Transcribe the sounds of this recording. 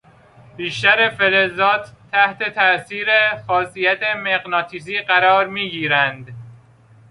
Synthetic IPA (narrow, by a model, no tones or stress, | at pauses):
b̥iːʃt̪æɾefelezɒːt̪ʰːæht̪e̞t̪ʰæʔsiːɾexɒːsijæt̪ʰemeɣnɒːt̪ʰiːziːɢæɾɒːɾmiːɡiːɾænd̪